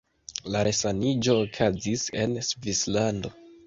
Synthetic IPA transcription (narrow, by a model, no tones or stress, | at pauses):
laɾʔesanid͡ʒo̞ːkʰazise̞̰nsvislando̞